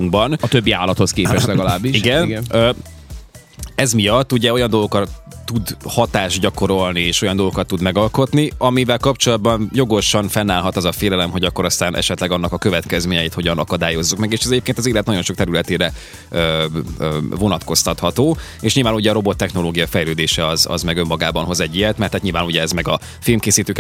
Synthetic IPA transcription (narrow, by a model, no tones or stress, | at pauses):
uŋɡ̚bɒnɒt̪øbːia̰ːlɒt̪hoskeːpɛʃlɛɡɒlaːbːiʃiɡɛnɡø | ɛzmijɒt̪ːuɟɛo̞jɒnd̪o̞lɡo̞kɒt̪ː | ud̪hɒt̪aːʒɟɒko̞ɾo̞lnieːʃo̞jɒnd̪oɡokɒt̪ːud̪mɛɡɒlko̞t̪niɒmivɛlkɒpt͡ʃo̞lɒd̪̚bɒnjo̞ɡo̞ʃɒnfɛnːaːlɦɒt̪ɒzɒfeːlɛlɛmɦo̞ɟɒkːo̞ɾɒst̪aːnʔɛ̰ʃɛt̪lɛɡɒnːɒkɒkø̞vɛt̪kɛzmeːɲɛjiːt̪ho̞ɟɒnɒkɒd̪aːjo̞zːukmɛɡeːʃɛzɛɟeːpkeːnt̪ɒziːlɛt̪nɒɟo̞nʃo̞kt̪ɛɾylɛt̪eːɾɛ | ø | vo̞nɒt̪ko̞st̪ɒt̪hɒt̪oːeːʃɲilvaːnuɟɛɒɾo̞bo̞t̪ːɛxno̞loːɡijɒfɛjløːd̪eːʃɛɒzɒ̰zmɛɡø̞mːɒɡaːbɒnɦozɛɟːijɛt̪mɛrt̪hːat̪ɲilvaːnuɟɛɛzmɛɡɒ | filmkeːsiːt̪øːk